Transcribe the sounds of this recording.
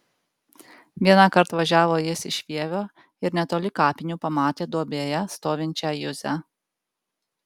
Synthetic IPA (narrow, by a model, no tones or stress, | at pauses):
ʋʲiɛnɑkɐɾt̪ʋɐʒʲæːʋoːjɪsɪʃʲʋʲiɛʋʲoː | ɪɾnʲɛt̪oːlʲɪkɑːpʲɪnʲuːpɐmɑːt̪ʲeːd̪uɔbʲeːjɛst̪oːʋʲɪnʲt͡ʃʲæjʊzʲɛ